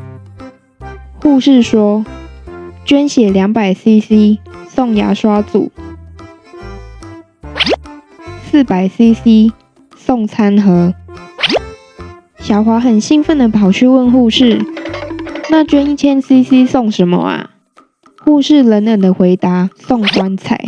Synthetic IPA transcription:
xu˥˧ʂɻ̩˥˨ʂwɔ˥ | t͡ɕɥɛ˦nɕjɛ˨˩lja˧˥ŋpa˨˩ɪsi˦si˦sɔ˥˨ŋja̰˧˥ʂwa˦t͡sṵ˨˩˦ | s̩˥˩pa˨˩ɪsi˦si˦ | sɔ˥˨ŋt͡sʰa˦nxɤ˨˦ | ɕjɑ˨˩ʊxwa˨˥xə˨˩nɕi˦˥ŋfə˥˩nd̪ə˩pʰɑ˨˩ʊt͡ɕʰy˥˧wə˥˧˨nxu˥˧ʂɻ̩˥˨ | na˥˨t͡ɕɥɛ˥ni˥˩t͡ɕʰjɛ˦nsi˦si˦sɔ˥˩ŋʂə˨˦nmə̰˧˨a̰˨˩ | hu˥˧ʂɻ̩˥˩lə˨˦nlə˨˩nd̪ə˨xwe˧˦ɪt̪a˧˦sɔ˥˨ŋkwa˦˥nt͡sʰa̰˨˩˦ɪ

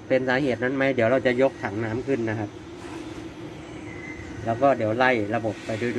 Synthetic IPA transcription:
pe˧nsaː˨˦heː˨˩t̪̚na˧˥˨nma˦˥˩di˨˩˦wɾa˧˩wt͡ɕa˨˩ʔjo˧˦˥k̚t̪ʰa˨˩˦ŋnaː˦˥mkʰɯ˧˩˨nːa˦˧˥kʰa˧˥p̚ | lɛː˦˥˩wkɔː˥˩diː˨˩˦əwla˧˩jla˧bo˨˩pːa˧jdu˧˥˨d

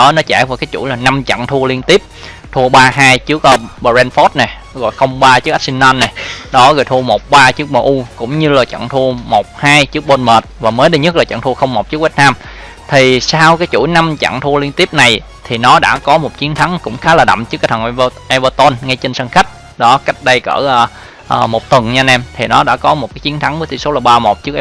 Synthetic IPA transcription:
ɔ˨˦nɔ˨˦t͡ɕa̰ː˧˩jvaː˨˩wkaː˨˦jt͡ɕṵ˧˩jlaː˨˩na˧mt͡ɕə̰˧˨ŋt̪ʰu˧əli˧ənt̪i˦˥əp̚ | t̪ʰu˧əɓaː˧ɦaː˧jt͡ɕɨ˦˥ək̚ːɓə˧˩zɛ˧nfo˦˥t̚nɛ˨˩ | ɣɔ̰˧˨jxə˧wŋ͡mɓaː˧t͡ɕɨ˦˥k̚a˦˥si˧nːa˧nːɛ˨˩ɗɔ˨˦ɣɔ̰ː˨jt̪ʰu˧əmo˨˩k͡p̚ɓaː˧t͡ɕɨ˦˥ək̚məː˧˩ʔu˧kʊ̰˧˥wŋ͡mɲɨ˧laː˨˩t͡ɕə̰˧˨ŋt̪ʰu˧əmo˨˩k͡p̚haː˧jt͡ɕɨ˦˥ək̚ɓo˧nməː˨˩t̚vaː˨˩məː˨˦jɗi˧ɲə˦˥t̚laː˨˩t͡ɕə̰˧˨ŋt̪ʰu˧əxə˧wŋ͡mmːo˨˩t̚t͡ɕɨ˦˥ək̚vi˦˥t̚naː˧m | t̪ʰi˨˩saː˧wkaː˨˦jt͡ɕu˧˩˨jna˧mt͡ɕa̰ː˧˨ŋt̪ʰu˧li˧ənt̪i˦˥əp̚na˨˩j | t̪ʰi˨˩nɔ˨˦ɗa̰ː˧˥kɔ˨˦mo˨˩t̚t͡ɕi˨˦nt̪ʰa˨˦ŋkʊ̰˧˥ŋ͡mxaː˨˦laː˨˩ɗə̰˧˨mt͡ɕɨ˦˥kaː˧˩t̪ʰə˨˩nʔʔɛ˧vəː˧t̪o˧nŋa˧jt͡ɕe˧nsa˧nxa˦˥k̟̚ | ɗɔ˨˦ka˦˥jk̟̚ɗə˧jkə̰ː˧˩ʔəː˨˩ | ʔəː˨˩mo˨˩t̚t̪wə˨˩ŋɲaː˧nʔɛ˧mt̪ʰi˨˩nɔ˨˦ɗa̰ː˧˥kɔ˨˦mo˨˩t̚kaː˨˦jt͡ɕi˨˦ənt̪ʰa˨˦ŋvə˨˦t̪ʰi˧˨˩so˨˦laː˨˩ɓaː˧mo˨˩t̚t͡ɕɨ˦˥ək̚

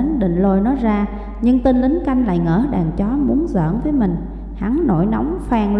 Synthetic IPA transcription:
nɗḭ̈˧˨ŋ̟lo˧jnɔ˨˦jzaː˧ | ɲɨ˧ŋt̪i˧nlï˨˦ŋ̟ka˧jŋ̟la̰ː˧˨jŋəː˧˩ɗaː˨˩ŋt͡ɕɔ˨˦mu˨˦ənzə̰ː˧˨ənvəː˨˦jmï˨˩ŋ̟ | ha˨˦ŋno̰˧˩˨jna˨˦wŋ͡mfaː˧ŋl

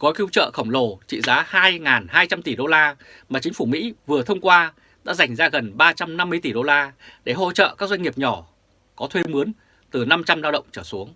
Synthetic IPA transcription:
kɔ˨˦jki˧wt͡ɕə̰ː˧˨xə˧˩wŋ͡mlo˨˩t͡ɕḭ˧˨zaː˨˦haː˧jŋaː˨˩nhaː˧jt͡ɕa˧mt̪i˧˩ɗo˧laː˧ | maː˨˩t͡ɕï˨˦ŋ̟fu˧˩mḭ˧˥vɨ˨˩ə˩t̪ʰə˧wŋ͡mkwaː˧ | ɗa̰ː˧˥za˨˩jŋ̟zaː˧ɣə˨˩nɓaː˧t͡ɕa˧mna˧mːɨ˧əjt̪i˧˩ɗo˧laː˧ɗe˧˩ɦo̰˧t͡ɕə̰ː˧˨kaː˦˥k̚za˧jŋ̟ŋi˨˩əp̚ɲɔ˧˩ | kɔ˨˦t̪ʰwe˧mɨ˨˦ən | t̪ɨ˨˩na˧mt͡ɕa˧mlaː˧wɗə̰˧˨ŋ͡mt͡ɕəː˧˩su˨˦əŋ

